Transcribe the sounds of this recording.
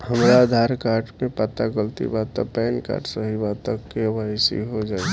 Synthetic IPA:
həmɾaːd̪ʱaɾkaːɾʈmẽpat̪aɡəlt̪ḭbat̪əpɛːnka̰ːɾʈsəɦibat̪əkːebasḭɦod͡ʒaːi

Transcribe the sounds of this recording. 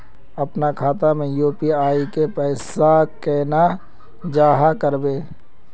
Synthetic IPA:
ɐpnakʰaːt̪amẽjoːpiaːikepɛːsakɛːna | d͡ʒaːɦakəɾbeː

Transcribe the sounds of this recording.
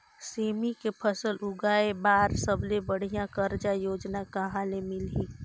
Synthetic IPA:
seːmikepʰəsəlʊɡaːebaːɾsəblebəɽ̤ijãkəɾd͡ʒajoːd͡ʒnakəɦãlemɪlɦi

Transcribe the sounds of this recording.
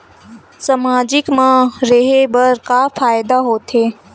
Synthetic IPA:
sɐmaːd͡ʒɪkmãɾeɦebɐɾkafaːjd̪aɦoːt̪ʰeː

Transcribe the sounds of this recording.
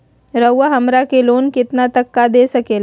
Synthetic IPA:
ɾəwːaɦɐmɾakeloːnkɪt̪nat̪ɐkːad̪eːsɐkeːla

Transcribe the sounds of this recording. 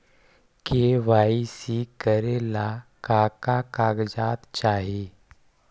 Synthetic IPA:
keʋaisikəɾelakakakaɡd͡zat̪t͡ɕaɦi

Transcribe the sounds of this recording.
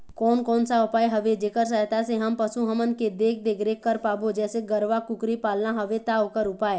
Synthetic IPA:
kɔːnkɔːnsaʊpaːeɦɐʋed͡ʒeːkəɾs̬əɦt̪aseɦɐmpəsuɦəmənked̪eːk̚ʰd̪eːkʰɾekəɾpaːbod͡ʒɛːseɡəɾʋakʊkɾipaːlnaɦɐʋet̪aokəɾʊpaːe

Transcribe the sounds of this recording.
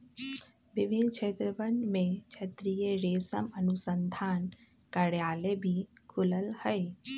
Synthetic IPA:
ʋɪʋʱɪnkʰeːt̪ɾəʋənmẽt͡ʃʰɐt̪ɾijeɾeːsə̰mɐnusə̃nd̪ʱaːn | kɐɽjaːlebʱikʰʊləlhəe

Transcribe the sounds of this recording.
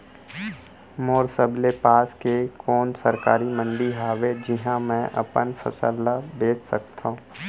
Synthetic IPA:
moːɾsəblepaːskekɔːnsɐɾkaːɾimə̃nɖiɦaːʋed͡ʒɪɦãmɛ̃ʔɐ̰pənfʰɐ̰sə̰labeːt͡ʃsɐk̚t̪ʰaɦũ

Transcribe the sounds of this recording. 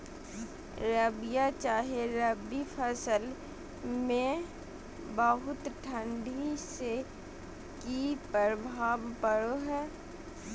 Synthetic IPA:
ɾəbijat͡ʃaːɦeɾəbipʰəsəl | mẽ | bəɦʊt̪ʈʰə̃ɳɖʱise | kipɾəbʱaːʋpəɽoɦɛː

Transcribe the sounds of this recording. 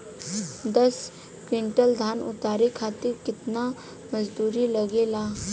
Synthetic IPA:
d̪ɐs | kɪ̃ɳʈəld̪ʱaːnʊ̰t̪aːɾekʰaːt̪ɪɾkɪt̪na | mɐd͡ʒd̪uːɾilɐɡelaː

